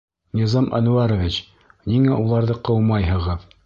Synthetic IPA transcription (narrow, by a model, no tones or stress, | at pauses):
nʲizɑmʔɐ̰nuaɾovʲit͡ɕ | niŋæʔulˠɑɾðɤqɤwmɑjɦɤ̆ʁɤð